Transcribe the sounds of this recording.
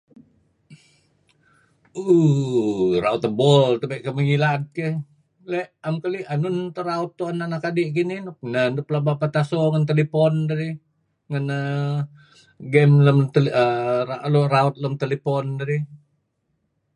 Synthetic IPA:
u | ɾaut̪əbɔlt̪əbeʔkəməŋilat̪̚keh | lɛʔamkəlianunt̪əɾaut̪ːuananakadiʔkininɔk̚nənduplabapat̪asɔŋənt̪əlipɔndaɾi | ŋənə | ɡɛmləmt̪ləaloɾaut̪̚ləmt̪ələpɔndaɾi

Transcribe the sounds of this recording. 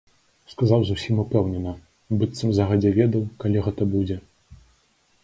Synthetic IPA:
skazawzusʲimupɛwnʲɛnɐ | bɨt̪sɐmzaɣɐd͡zʲɛvʲɛd̪ɐwkalʲiɣɛt̪ɐbud͡zʲɛ

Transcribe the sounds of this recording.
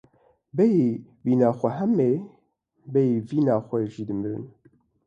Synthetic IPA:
bɛjiviːnaːxʷɛɦɛmːeː | bɛjiviːnaːxʷɛʒiːd̪ɨmɨɾɨ̰n

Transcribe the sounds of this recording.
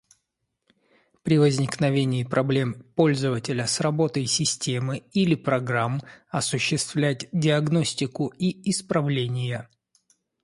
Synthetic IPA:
pɾʲɪvəzʲnʲɪknɐvʲenʲɪːpɾʔɐblʲe̞mpo̞lʲzəvətʲɪlʲəsrɐbo̞t̪əjsʲɪsʲtʲe̞mɨilʲɪpɾɐɡɾamɐsʊɕːɪst̪vlʲætʲdʲɪɐɡno̞sʲtʲɪkʊiɪspɾɐvlʲenʲɪjə

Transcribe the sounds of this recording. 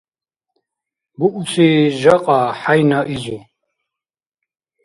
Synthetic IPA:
buʔusʼiʒaqʼaħajnaʔizu

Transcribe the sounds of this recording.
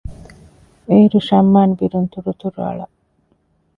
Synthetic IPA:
eiɾuʃɐmːaːnbiɾunt̪uɾut̪uɾuɐ̰ɭɐ̰

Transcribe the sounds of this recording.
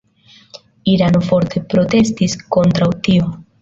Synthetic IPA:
iɾanofo̞ɾt̪e̞pɾot̪e̞st̪isko̞nt̪ɾawt̪io

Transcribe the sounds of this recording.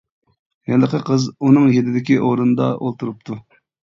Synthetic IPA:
jɛlːəqʰəqʰəzunɨŋjed̪ɪd̪ɪkʲiʔoɾunɨd̪ɑ̰ʔolˠt̪ʰuɾup̚t̪ʰu

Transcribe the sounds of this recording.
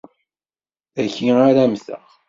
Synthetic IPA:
æçiaɾæmθə̰ʁ

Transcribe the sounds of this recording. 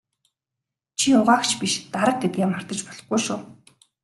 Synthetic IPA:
t͡ɕʰiʊʁaːkt͡ɕʰpiʃt̪aɾə̆k̚t̪ʰet̪̚ɡʲeːmar̥t̪ə̆t͡ɕpɔɮɞ̆χɡujʃʊː

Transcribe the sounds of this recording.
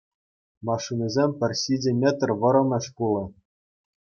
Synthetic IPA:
mɑʂinʲɤzʲemʲpʲɘ̆rʲɕidʲɘ̆mʲet̪rʲʋɤ̆ɾɤ̆nɤ̆ɕpulˠɤ̆

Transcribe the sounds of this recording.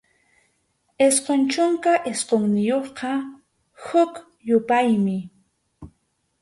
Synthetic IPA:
esqont͡ʃʊŋkaʔesqoŋnɪjoχqɑ | hʊk | jʊpajmɪ

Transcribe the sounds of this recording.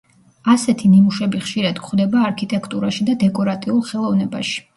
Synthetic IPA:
asɛt̪ʰinimuʃɛbiχʃiɾad̪kʰχd̪ɛbaːɾkʰit̪ʼɛkʰt̪ʼuɾaʃid̪ad̪ɛkʼɔɾat̪ʼiulˠχɛlˠɔvnɛba̰ʃi̥

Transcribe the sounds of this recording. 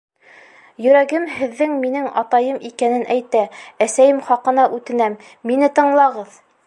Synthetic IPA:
jɵ̆ɾæɡɘmhɘ̆ðːɘŋminɘŋɑ̰t̪ɑjɤmʔikænɘnʔæjt̪ææsæjɘmχɑqɤ̆nɑʔʉt̪ɘ̆næmː | inɘt̪ɤ̆ɴlˠɑʁɤð

